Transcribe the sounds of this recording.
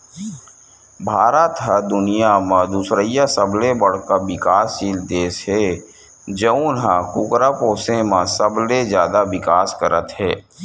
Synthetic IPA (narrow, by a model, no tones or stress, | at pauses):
bʱaːɾət̪ɦəd̪ʊnijamãd̪usɾəijasəblebəɽ̤kabɪkaːst͡ʃiːld̪eːsɦeː | d͡ʒəũnɦakʊkɾapoːsẽmãsəblezjaːd̪aʋɪkaːskəɾət̪ɦɛː